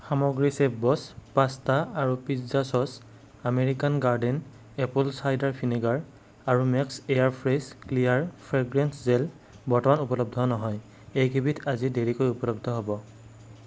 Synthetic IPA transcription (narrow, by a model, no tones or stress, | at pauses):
xamɔɡɹisepbɔspastaaɹupiszasɔs | ameɹikanɡaɹden | ɛpulsajdaɹpʰiniɡaɹ | aɹumɛksejaɹpʰɹesklijaɹpʰɹeɡɹɛnszel | bɔɹtɔmanupɔlɔb̚dʱɔnɔɦɔj | ejkʰibitʰazideɹikojupɔlɔb̚dʱɔɦobɔ